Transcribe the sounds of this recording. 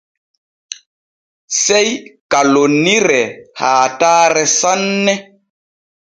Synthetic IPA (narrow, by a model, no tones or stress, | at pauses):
sɛjkalonːiɾɛhaːtaːɾɛsanːɛ